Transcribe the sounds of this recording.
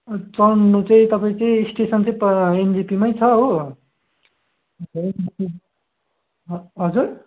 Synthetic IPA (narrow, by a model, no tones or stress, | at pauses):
t͡sʌnːut͡saĩt̪ʌpaĩt͡saĩisʈesʌnt͡saĩend͡zipimʌjt͡sʰʌɦo | enipi | ɦʌd͡zur